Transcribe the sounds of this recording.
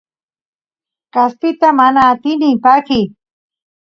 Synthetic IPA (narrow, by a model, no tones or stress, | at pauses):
kaspɪt̪amanaːt̪ɪnɪpakɪ